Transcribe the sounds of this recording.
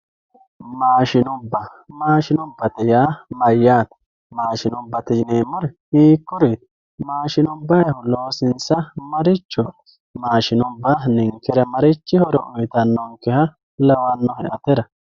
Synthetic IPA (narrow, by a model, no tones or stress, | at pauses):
maːʃɪnʊbːɐmaːʃɪnʊbːɐt̪ɛjaːmɐjːaːt̪ | maːʃɪnʊbːɐt̪ɪneːmːɔɾɛhiːkːʊɾit̪ | maːʃɪnʊbːɐjɐhʊlo̞ːsɪnsɐmɐɾɪt͡ʃːɔ | maːʃɪnʊbːɐnɪŋkːɛɾɐmɐɾɪt͡ʃːɪhɔɾɔ̰ʔʊjt̪ɐnːɔŋkːɛhɐ | lɐwɐnːɔhɛʔɐt̪ɛɾɐ